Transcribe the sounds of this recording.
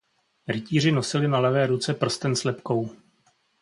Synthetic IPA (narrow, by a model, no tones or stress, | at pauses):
ɾɪciːr̝ɪno̞sɪlɪnalɛvɛːɾut͡sɛpr̩st̪ɛnslɛpko̞w